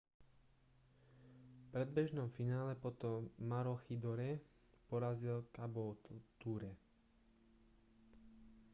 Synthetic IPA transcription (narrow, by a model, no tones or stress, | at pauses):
fpɾɛd̪̚bɛʒnɔmfinaːlɛpɔt̪ɔmːaɾɔxid̪ɔɾɛ | pɔɾazilkabɔt̪uːɾɛ